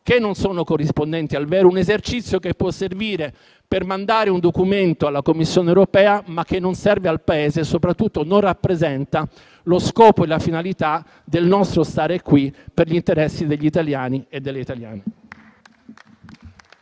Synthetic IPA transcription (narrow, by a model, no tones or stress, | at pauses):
k̟enːonsoːnokorːispond̪ɛnt̪ialvɛːɾounezert͡ʃit̪sːjokepːwɔsːerviːɾe | permand̪aːɾeund̪okument̪oalːakomːisːjoːnewɾopɛːamak̟ːenːonsɛrvealpaeːzesopɾat̪ːut̪ːononrapːɾezɛnt̪a | loskɔːpoelafinalit̪a | d̪elnɔst̪ɾost̪aːɾekːwiperʎint̪eɾɛsːid̪eʎːit̪aljaːnied̪ːelːeit̪alja̰ːne